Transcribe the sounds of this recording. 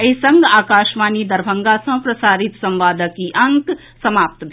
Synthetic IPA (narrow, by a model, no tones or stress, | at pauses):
ɐsɐ̃ŋɡaːkaːʃmaːnid̪ɐɾbʱəŋɡasɐ̃pɾɐsaːɾit̪sɐ̃mʋaːd̪əkːiʔɐŋk | sɐmaːp̚t̪bʱ